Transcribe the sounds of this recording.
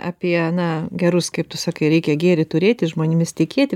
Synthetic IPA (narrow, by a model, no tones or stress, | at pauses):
ɐ̰pʲiɛnɐɡʲɛɾʊskɐɪp̚t̪ʊsɑːkɐɪɾʲɛɪkʲɛɡʲeːɾʲɪt̪ʊɾʲeːt̪ʲɪʒmoːnʲɪmʲɪst̪ʲɪkʲeːt̪ʲɪ